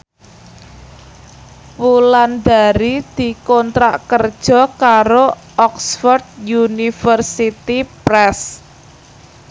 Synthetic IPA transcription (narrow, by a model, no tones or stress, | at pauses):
pulandaɾid̪̥i̤kɔnt̪ɾa̰ʔkərd̥ʒ̥ɔ̤kaɾo | ʔɔksfɔrd̪̚junifərsit̪ipɾɛs